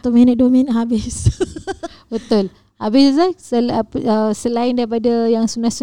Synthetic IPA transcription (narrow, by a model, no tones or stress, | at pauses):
t̪uʔminət̪̚duminəʔ̚ɦabɪs | bət̪ʊl | habɪslasəpəsəlaɪndaɾipadajaŋsunahsu